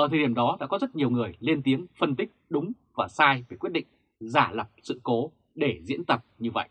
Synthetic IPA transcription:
ʔəː˨˧˩t̪ʰə˨˩ɗi˧˩ə˩ɗɔ˨˦ɗa̰ː˧˥kɔ˨˦zə˦˥t̚ɲi˨˩əwŋɨ˨˩əjli˧ənt̪i˨˦əŋfə˧nt̪ï˦˥k̚ɗʊ˨˦ŋ͡m | vaː˨˩saː˧jve˧˩kwt̚ɗḭ˧˨ŋ | zaː˧˩lə˨˩p̚sɨ̰˧˨ko˨˦ | ɗe˧˩zḭ˧˥ənt̪ə˨˩p̚ɲɨ˧və̰˧˨jʔ

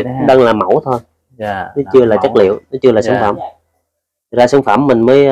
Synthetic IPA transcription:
kʊ˧˥ŋ͡mɗaː˧ŋlaː˨˩mə˧˩wt̪ʰo˧j | nɔ˨˦t͡ɕɨ˧əlaː˨˩t͡ɕə˦˥t̚lḭ˧˨əwnɔ˨˦t͡ɕɨ˧əlaː˨˩saː˧˦˧nfa̰ː˧˩mʰ˨˩ | k̚zaː˧saː˧˩˦nfaː˧˩mːï˨˩ŋ̟məː˨˦j

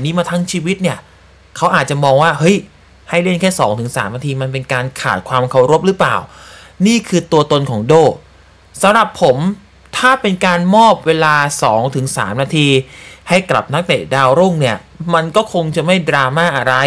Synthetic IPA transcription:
niː˦˥maː˧t̪ʰa˦˥ŋt͡ɕʰiː˧wi˦˥t̪̚ni˥˩ɐ | kʰa˦˥wʔaː˨˩t̪̚t͡ɕa˨˩mɔː˧ŋwaː˥˩hɤ˦˥j | ha˥˩jle˥˩nkʰɛː˥˩sɔ̰ː˩˦ŋt̪ʰɯ˩˦ŋsa̰ː˩˦mnaː˧t̪ʰiː˧ma˧npe˧nkaː˧nkʰa̰ː˨˩t̪̚kʰwaː˧mkʰa˧˩wɾo˦˥p̚ɾɯ˦˥pla̰ː˨˩w | niː˥˩kʰɯː˧t̪u˧ɐt̪o˧nkʰɔː˩˦ŋdoː˥˩ | sa˨˦mɾa˨˩pʰːo˩˦m | t̪ʰaː˥˩pe˧nkaː˧nmɔː˥˩p̚weː˧laː˧sɔː˩˦ŋt̪ʰɯ˩˦ŋsa̰ː˩˦mnaː˧t̪ʰiː˧ha˥˩jkla̰˨˩p̚na˦˥ŋ̚t̪ḛ˨˩daː˧wɾo˥˩ŋni˥˩ɐ | ma˧nkɔː˥˩kʰo˧ŋt͡ɕa˨˩ma˥˩jdɾaː˧maː˥˩ʔa˧ɾa˧j

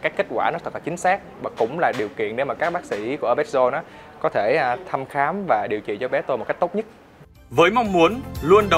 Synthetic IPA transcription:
kaː˦˥k̚ke˦˥k̟̚kwaː˧˩nɔ˨˦t̪ə˨˩laː˨˩t͡ɕï˨˦ŋ̟saː˦˥k̚vaː˨˩kʊ̰˧˥wŋ͡mlaː˨˩ɗi˨˩əwkḭ˧˨ənɗe˨˦wmaː˨˩kaː˦˥k̚ɓaː˦˥k̚si˧˩˦ku˧˩əə˧ɓɛ˦˥t̚zo˧nɔ˨˦kɔ˨˦t̪ʰe˧˩t̪ʰa˧mxaː˨˦mvaː˨˩ɗi˨˩əwt͡ɕḭ˧˨t͡ɕɔ˧ɓɛ˨˦t̪o˧jmo˨˩kk̟̚t̪t̚ɲɨ˦˥t̚ | vəː˨˦jmɔ˧wŋ͡mmu˨˦ənlu˧ənɗə˨

